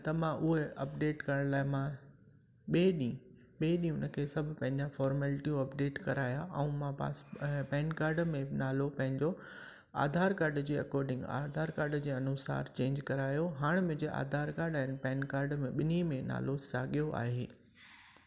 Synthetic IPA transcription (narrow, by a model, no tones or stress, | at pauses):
t̪ɐmãʔʊɦeɐp̚ɖeːʈkɐɾəɽ̃laːɦɪmã | ɓeːɗi | ɓeːɗĩʊnə̆kʰeːsɐbʱʊpɐ̃ɦɪ̃ɲd͡ʑafɔːɾmɛlʈijũɐpɖeːʈkɐɾaːjaʔɛ̃ũmãpa̰ːspɛ̃ːnkaːɾɖmẽnaːlopɐ̃ɦɪ̃ɲd͡ʑo | a̰ːd̪ʱaːɾkaːɾɖd͡ʑeːɐ̰kɔːɾɖɪ̃ŋɡa̰ːd̪ʱaːɾkaːɾɖd͡ʑeːɐnʊsa̰ːɾt͡ɕẽːɲd͡ʑkɐɾaːjoɦaːɽ̃mʊ̃ɪ̃ɲd͡ʑeʔa̰ːd̪ʱaːɾkaːɾɖɛːnɪpɛːnkaːɾɖmẽɓɪnimẽna̰ːlosaːɠijoʔa̰ːɦeː